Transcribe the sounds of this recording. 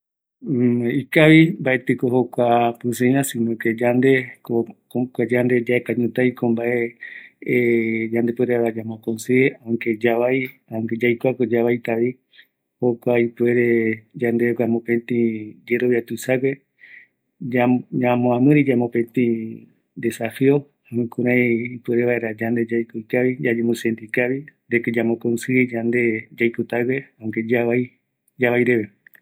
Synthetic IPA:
ikaβimbaʔet̪ɨkohokʷapɨs̬ɨ̃ãsĩnõked͡ʒand̪ekokokʷad͡ʒand̪e̞d͡ʒaekaɲũt̪ajkõmbaʔe | d͡ʒand̪epweɾeɾad͡ʒamõkõnseãked͡ʒaβajãŋked͡ʒajkʷakod͡ʒaβajt̪aβi | hokʷaipueɾed͡ʒand̪eɡʷamõpẽt̪ĩd͡ʒe̞ɾo̞βjat̪uisaɡe | aamõãmɨ̃ɾid͡ʒamõpẽt̪ĩ | d̪esafio | amɨ̃kũɾãj̃ipueɾeβaeɾad͡ʒand̪e̞d͡ʒajkoikaβid͡ʒad͡ʒemũsend̪ikaβid̪eked͡ʒamõkonsɨid͡ʒand̪e̞d͡ʒajkut̪aɡeãŋked͡ʒaβaj | d͡ʒaβajɾeβe

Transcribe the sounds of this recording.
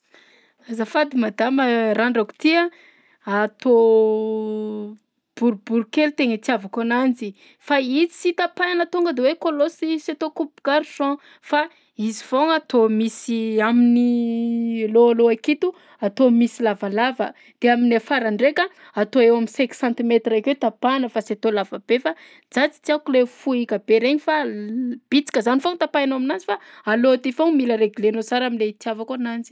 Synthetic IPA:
azafad̪imad̪aməɾaɳɖ͡ʐaku̥t̪iə | at̪o | b̥uɾubuɾukelut̪eŋət͡siavakanand͡zi | fait͡si̥sit̪apananat̪uŋɡəd̪ewekolosisat̪okupu̥ɡaɾuʃɔ̃ | fa | izivoŋat̪omisiamini | loaloakit̪u | at̪omisilavalavə | d̪̥eaminafaɾaɳɖ͡ʐekʲa | at̪oewaminsɛ̃ksãnt̪imet̪raket̪apanəfaset̪olavab̥efa | d͡zat͡si̥t͡siakulefuikəb̥eɾeɲifab̥it͡si̥kəzanifoŋt̪apajnaminanzifaaloat̪ifoŋmiləɾeɡilenot͡saɾaminleit̪javakonanzi̥

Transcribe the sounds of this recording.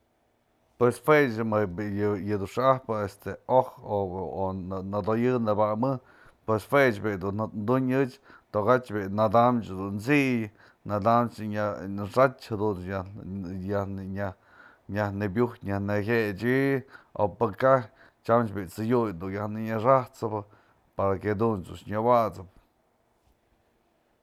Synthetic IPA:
pwesfwet͡ʃmɨbjjɨd̪uʂɨahpɨest̪eohoonad̪ojɨnɨbamɨ | pwesfwet͡ʃbid̪unnd̪uɲɨt͡ʃt̪oɣat͡ʃbinad̪amt͡ʃd̪unt͡siʔj | nad̪amt͡ʃɲaʂat͡ʃhad̪unajahnɲa | ɲahnebjuht̪ɲahneɦʲet͡ʃio̰pɨkah | t͡ʃamt͡ʃbit͡sɨjujd̪ujahnɨɲaʂaht͡sɨbɨ | paɾaked̪unt͡suʃɲawat͡sɨp̚

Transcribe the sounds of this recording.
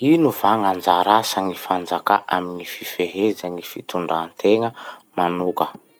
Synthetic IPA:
inuvaŋand͡zaɾasaŋifand͡zaka̰ʔa̰minififeɦezaŋifit̪uɳɖ͡ʐant̪ʰeŋəmanukə

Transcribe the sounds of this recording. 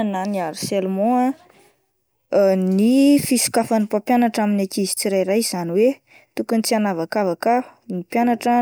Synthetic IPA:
naniaɾiselmõa | nifisi̥kafanipapjanaʈ͡ʂaminakizi̥t͡siɾajrajz̥aniwe | t̪ukunit͡sianavakavakanipjanaʈ͡ʂa

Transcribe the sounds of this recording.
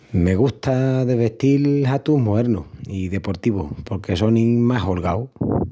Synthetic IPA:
me̞ɣ̞uht̪aðe̞βe̞ht̪ilɦat̪uɦmoeɾnuiðe̞po̞ɾt̪iβo̰po̞ɾke̞so̞nimaɦolɣaw

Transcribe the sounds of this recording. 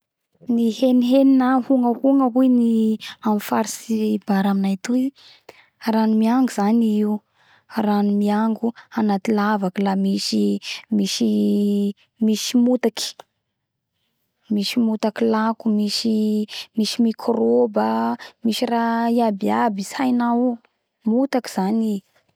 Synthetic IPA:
niheniɦeninahuŋəhuŋəɦujniamifaɾisibaɾaminajt̪ui | ranumiaŋɡuz̥aniiu | ranumiaŋɡuanat̪ilavakəlamiʃimiʃi | miʃimut̪aki̥ | miʃimut̪akilakumiʃimiʃimikʰrobamiʃiraiabiabisajnau | mut̪aki̥z̥ani

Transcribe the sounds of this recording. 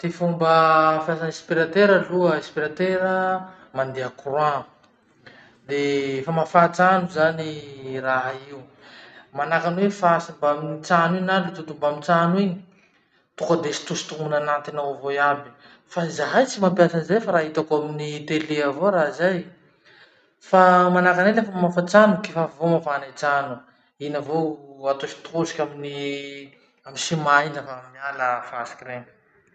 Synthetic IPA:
t̪efumbəpjasanispiɾat̪eɾaluəespiɾat̪eɾə | mand̪eakurwa | d̪efamafat͡sanuzaniraɦaiu | manakanwefasumbaminit͡saninaɳɖ͡ʐut̪ut̪umbamit͡saniɲ | t̪ukəd̪esi̥t̪ust̪umunanat̪inawvojabi̥ | fazaɦajt͡simampjasənzajfaɾaɦit̪akoaminit̪eleavoɾazaj | famanakanelefəmafat͡sanukefavomafanat͡sanu | inəvoat̪ofi̥t̪usi̥kʲamini | amisimainəfammialəfaasi̥kʲiɾeŋə̥

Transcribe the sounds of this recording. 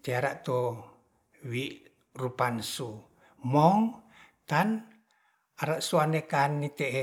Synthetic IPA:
t̪eaɾaʔt̪o | wiʔ | rupansu | mɔŋ | t̪an | aɾaʔsuanekanːit̪eʔ

